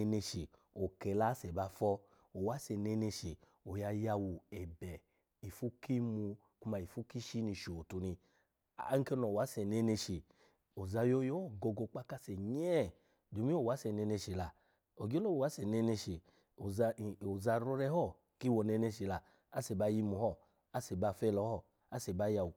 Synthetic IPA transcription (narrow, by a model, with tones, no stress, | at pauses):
ne˧ʃi˨ | o˨kɛ˨la˧˦sɛ˨ba˧fɔ˧ | o˨wa˨˦sɛ˧˨nɛ˧ne˧ʃi˨ | o˨ja˧ja˧wu˨ɛ˨bɛ˨ | i˨fu˦ki˦mu˧ | ku˦ma˧i˨fu˦ki˦ʃi˦ni˧ʃo˨tu˧ni˧ | a˦ŋ̩˦ke˧˦nɔ˨wa˨˦sɛ˨nɛ˧ne˧ʃi˨ | o˨za˧jo˧˦jɔ˦ɔ˦˨ɡɔ˧ɡɔ˧k͡pa˦ka˦˧sɛ˨ɲɛ˦ | do˨mi˦o˦˨wa˨˦sɛ˧˨nɛ˧ne˧ʃi˨la˧ | o˨ɡi˦o˦lo˦o˨wa˨˦sɛ˨nɛ˧ne˧ʃi˨ | o˨˧˨o˨za˧ɾɔ˧ɾɛ˧˦hɔ˦˨ | ki˦wɔ˧˨nɛ˧ne˧ʃi˨la˧ | a˦se˨ba˧˨ji˧mu˧˨hɔ˦˨ | a˦sɛ˨ba˧˨fɛ˧˦˧lɔ˨˦hɔ˦˨ | a˦sɛ˨ba˧˦ja˧wu˨